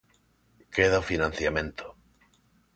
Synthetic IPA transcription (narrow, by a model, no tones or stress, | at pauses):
keðaofinãn̟θjamẽnt̪o̥